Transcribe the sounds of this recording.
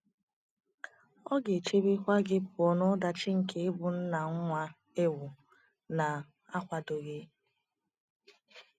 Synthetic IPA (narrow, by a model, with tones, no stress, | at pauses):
ɔ˦ɡe˨t͡ʃe˦bi˦kʷa˦ɡɪ˦pɔ˨nɔ˦da˨t͡ʃɪ˦ŋ̩˨ke˦e˦bʊ˨n̩˦na˨ŋ̩˦ŋʷa˦ | e˦wu˨ | na˨ | a˦kʷa˨do˨ɣe˦